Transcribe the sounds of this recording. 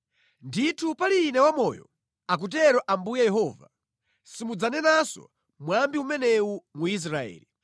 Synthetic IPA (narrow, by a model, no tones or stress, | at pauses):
nditʰupaliːnɛwamɔjɔ̰ | ak̬ut̬ɛɾɔʔambujajɛɦɔːva̰ | simud͡zanɛnasɔ̰ | mwambiumɛnɛumuis̬ɾaɛ̰ːli